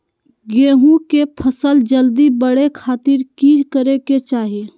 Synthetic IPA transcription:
ɡeːɦũkepʰəsəld͡ʒəld̪ibəɽekʰaːt̪ɪɾkiːd͡ʒkəɾeket͡ʃaːɦie

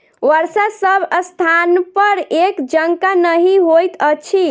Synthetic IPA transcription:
ʋəɾsasəbʱəst̪ʰanpəɾekd͡ʒəŋkanəɦiɦojt̪ət͡ʃʰi

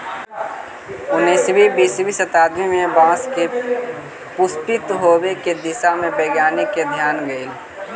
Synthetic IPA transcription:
ʊnːisbʱibiːsbisət̪aːd̪mimẽbãːske | pʊst̪ɪt̪ɦoːweked̪ɪsamẽpɛːɡjaːniked̪ʱjaːnɡəil

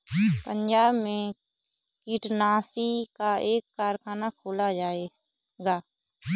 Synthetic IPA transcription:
pə̃ɲd͡ʒaːbmẽ | kiʈnaːsikaeːkːaːɾkʰaːnakʰoːlad͡ʒaːeː | ɡaː

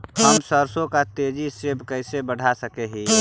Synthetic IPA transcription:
həmsəɾsõkat̪ed͡ʒisebkəɪsebəɽ̤ʱasəkeɦi

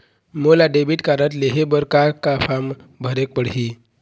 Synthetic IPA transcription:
molaɖebiʈkaɾət̪leɦebəɾkakafam | bʱəɾek̚pəɽɦi

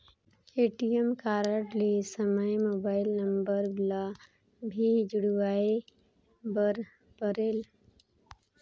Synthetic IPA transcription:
eʈijəmkaɾəʈlesəməjmoːbaːɪlnəmbəɾbbla | bʱid͡ʒuɽwae | bəɾ | pəɾeːl

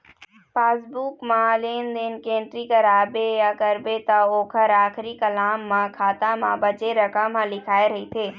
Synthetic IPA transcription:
paːsbuːkmãleːnd̪ɪnkẽːɳʈɾikəɾaːbejakəɾbet̪ɐoːkʰəɾaːxɾikəlaːmːãkʰaːt̪amã̰bət͡ʃeɾəkəmɦãlɪkʰaːeɾɐɦit̪ʰeː

